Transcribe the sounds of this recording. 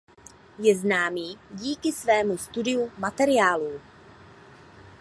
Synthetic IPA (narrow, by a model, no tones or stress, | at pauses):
jɛznaːmiːɟiːkɪsvɛːmust̪udɪjumat̪ɛɾɪjaːluː